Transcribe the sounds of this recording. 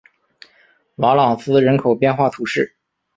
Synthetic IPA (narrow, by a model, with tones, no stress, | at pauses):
wɑ˧˥lɑ˨˩ŋsɹ̩˥ɻə˧˥nkʰo˨˩ʊpjɛ˥˧nxwa˥˩t̪ʰu˧˥ʂɻ̩˥˩